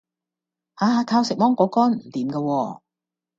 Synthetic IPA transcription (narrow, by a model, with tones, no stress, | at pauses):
haː˨˧˥k̪ʰaː˧wsɪ˨k̚mɔː˥ŋkɔː˨˥kɔː˥nm̩˨˩t̪iː˨˦mkaː˧wɔː˧